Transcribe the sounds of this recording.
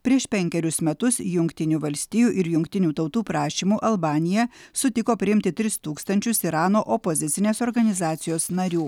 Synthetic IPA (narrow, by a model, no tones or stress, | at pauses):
pʲɾʲiɛʃpʲɛŋʲkʲɛɾʲʊsmʲɛt̪ʊsjʊŋʲkt̪ʲɪnʲuːʋɐlʲsʲt̪ʲijuːʔɪɾjʊŋkt̪ʲɪnʲuːt̪ɐʊt̪uːpɾɑːʃʲiːmuːʔɐlˠbɑːnʲɪjɛsʊt̪ʲɪkoːpʲɾʲɪɪmʲt̪ʲɪt̪ʲɾʲɪst̪uːkst̪ɐnʲt͡ʃʲʊsɪɾɑːnoːʔɔpozʲɪt̪ʲɪnʲeːsoːɾɡɐnʲɪzɑːt̪sʲɪjoːsnɐɾʲuː